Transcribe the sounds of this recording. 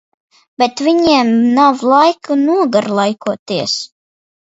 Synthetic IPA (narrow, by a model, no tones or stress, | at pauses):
b̥et̪vʲiɲiɛmnawlˠajkɨnuɔɡaɾlˠajkuɔt̪iɛs